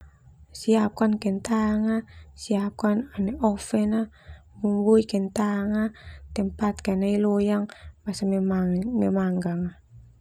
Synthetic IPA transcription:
siap̚kankɛnt̪aŋasiap̚kananɛʔɔfɛna | mumbuikɛnt̪aŋat̪ɛmpat̪̚kɛnailɔjaŋmasammamɛmaŋɡaŋa

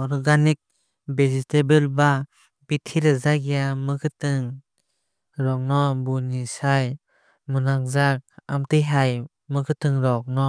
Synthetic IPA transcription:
ɔɾɡanik̚ | bezistebɯlba | bitʰiɾɯzaɡijamɯkʰɯtɯŋ | ɾɔk̚nɔbunisaj | munak̚zak̚a̰mtɯjɦaj | mɯkʰɯtɯŋɾɔk̚nɔ

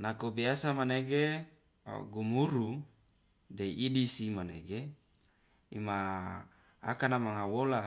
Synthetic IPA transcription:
nakobiasamaneɡḛ | ɡumuɾu | deidisimaneɡe | ḭma | a̰kanamaŋawola

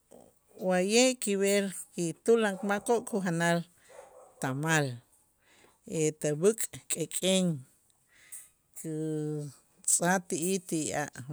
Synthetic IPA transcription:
wajeʔkiβeɾkit̪ulaŋkmakoʔkuxanal | t̪amal | et̪abɨkʼkʼekʼeŋ | kʰi | t͡sʼat̪iʔit̪ia̰ʔ

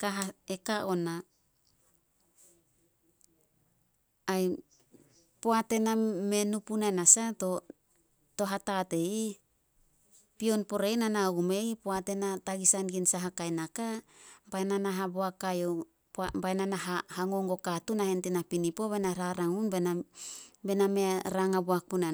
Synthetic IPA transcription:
kaɦaekaʔona | j | poate̞namenupunaenasato | to̞ɦatate̞i | pio̞npo̞ɾejnanaɡume̞ipoate̞nataɡisanɡinsaɦakajnakabananaɦaboakajo | pbajnanaɦahaŋo̞ŋɡo̞katunahentinapinipo̞βenaɾaɾaŋunbena | be̞nameɾaŋaboakuna

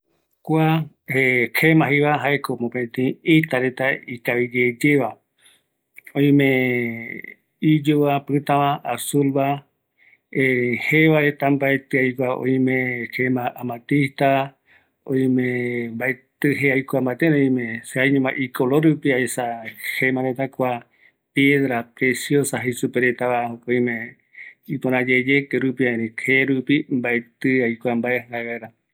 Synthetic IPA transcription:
kʷa | ehʰemãɦiβaɦaekomõpẽt̪ẽĩit̪aɾet̪aikaβid͡ʒed͡ʒeβa | õĩmẽ | id͡ʒuβapɨt̪ãβãasulβa | eheʋaɾet̪ambaet̪ɨajkʷaõ̰ĩmẽkʰemãʔamãt̪ist̪a | õj̃mẽmbaet̪ɨɦeajkʷambat̪eɾoĩmẽseajɲõmãʔikoloɾupiaesahemãɾet̪akʷa | pjeðɾapɾesjosaɦesupeɾet̪aβaokoj̃mẽ | ipoɾ̃ãd͡ʒed͡ʒekeɾupiaeɾĩheɾupimbaet̪ɨajkʷambaeaaɡaɾa

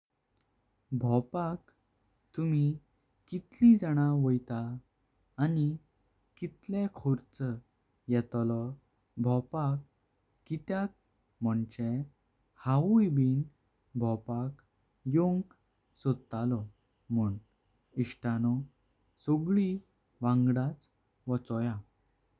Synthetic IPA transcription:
bʱɔpak | t̪um̤i | kit̪lid͡zaɽ̃aʋəjt̪aː | ni | kit̪lẽkʰoɾt͡sə | jɛt̪lɔ | bʱɔpakː | it̪jak̚ | mɔɳt͡ɕɛ | haujbiːn | bʱɔpak | joŋk | sud̪t̪alɔ | muːɳ | iɕʈanɔ | sɔɡɭi | ʋãŋɡɽat͡s | ʋɔt͡sɔja

